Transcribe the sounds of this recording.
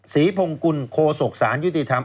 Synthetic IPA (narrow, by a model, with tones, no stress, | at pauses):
siː˩˦pʰo˧ŋku˧nkʰoː˧so˨˩k̚saː˩˦nju˦˥t̪i˨˩t̪ʰa˧m